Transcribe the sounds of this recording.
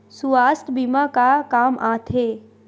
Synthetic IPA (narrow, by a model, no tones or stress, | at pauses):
suaːst̪bimaːkakaːmʔãːt̪ʰeː